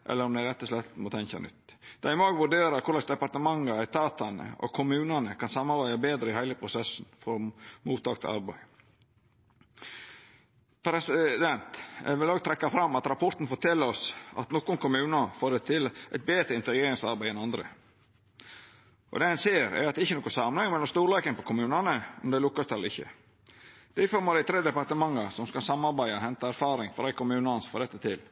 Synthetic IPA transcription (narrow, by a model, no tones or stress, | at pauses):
ʔɛ̰lːəɾɔmd̪ɛæɾnɛt̪ːəslɛt̪ːmɔt̪ʰɛnçɑ̰nʏ̰t̪ːd̪̥ɑɪmoːɡʋʉɖeːɾɑɾkʰʊɾlɑsd̪ɛpɑɾt̪əmɑŋːəæɪt̪ʰɑːt̪ɑnə̰ɔ̰kʰʊmʉːnɑnəkʰɑnsɑmːɑɾbæɪɑbeːd̪ɾəɪhæɪləpʰɾʊsɛsn̩fɔɾmuːt̪ɑːkt̪ʰɑ̰ɾbæ̰ɪ | pʰɾɛsɪd̪ɛnt̪ʋɪloːɡt̪ʰɾɛkːɑfɾɑmːɑt̪ɾɑpʰɔɾt̪n̩fɔʈʰɛlːəɾɔsɑ̰t̪nɔkːʊnkʰʊmʉːnɑfoːɾɛt̪ʰɪlʔɛɪt̪̚beːdt̪ɾəɪnt̪əɡeːɾɪŋsɑɾbæɪɛnɑnd̪ɾə̰ | ʔɔ̰d̪ɛhɛnseːɾɛ̰æ̰ɾɑt̪ɛɪçːənɔːkːʊnsɑmːənhɛŋːmɛlɔmst̪uːɾlɑkənpɔkʰʊmʉːnɑnəɔ̰md̪ɛɪlʊkːɑst̪ɛlːəɾɪçːə̰ | d̪̥æɪfɔɾmɑɾæɪt̪ʰɾeːd̪ɛpɑɾt̪əmɑŋːɑsɔmskɑsɑmːɑɾbæɪɔhɛnt̪ɑæɾfɑːɾɪŋfɔɾæɪkʊmʉːnɑɑnsfɔɖ̪ɛt̪ːət̪ʰɪl